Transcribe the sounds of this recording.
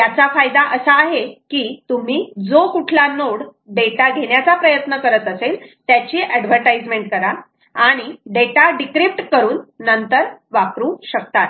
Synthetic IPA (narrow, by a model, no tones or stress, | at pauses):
t̪jat͡safajd̪aʔəsəːɦekiːt̪um̤iːd͡zokuʈʰlanoɽ | ɖeʈaɡʱeɳjat͡sapɾəjət̪nəkəɾət̪əselt̪jat͡ɕiːʔɛɖʋ̤əɾʈajd͡zmeɳʈ̚kəɾa | aɽ̃iɖeʈaɖikɾipʈkəɾuːnːənt̪əɾʋakɾuːɕəkt̪at̪